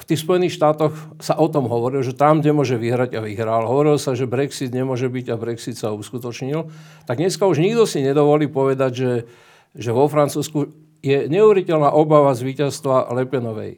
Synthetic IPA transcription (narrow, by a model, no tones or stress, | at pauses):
ft̪iːxspɔjɛnixʃt̪aːt̪ɔx | saʔɔt̪ɔmɦɔʋɔɾilʒɛt̪ɾambd̪ɲɛmʊɔʒɛʋiɦɾaɟaʋiɦɾalɦɔʋɔɾilsaʒɛbɾɛksid̪ɲɛmʊɔʒɛbiɟabɾɛksit̪sauskut̪ɔt͡ʃɲilt̪aɡɲɛskauʒɲiɡd̪ɔsiɲɛd̪ɔʋɔliːpɔʋɛd̪aɟʒɛ | ʒɛʋɔfɾant͡suːsku | jɛɲɛuʋɛɾicɛlnaʔɔbaʋazʋiːcast̪ʋalɛpɛnɔʋɛ̰j